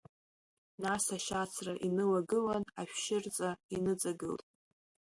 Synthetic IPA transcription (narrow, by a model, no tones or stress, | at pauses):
nasaʃat͡sʰraʔinɨlaɡɨlanaʃᶣʃɪrt͡sʼainɨt͡sʼaɡɨ̰ltʼ